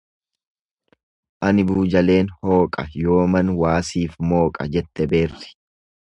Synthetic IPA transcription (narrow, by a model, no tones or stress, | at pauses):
ʔɐnɪbuːd͡ʒɐle̞ːnho̞ːkʼɐ̰jo̞ːmɐnwaːsiːfmo̞ːkʼɐ̰d͡ʒɛt̪ːɛbe̞ːrːɪ̥